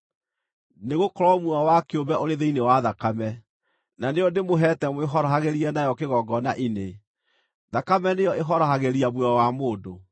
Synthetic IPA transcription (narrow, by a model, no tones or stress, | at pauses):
neɣokɔɾɔmwɔwakeombɛʔoɾeðeinewaðakamɛ | naneɔdemoɦɛtɛmeɦɔɾɔɦaɣeɾiɛnajɔkeɣɔɡɔnaʔine | ðakamɛnejɔʔeɦɔɾɔɦaɣeɾiamwɔɔwamoːdo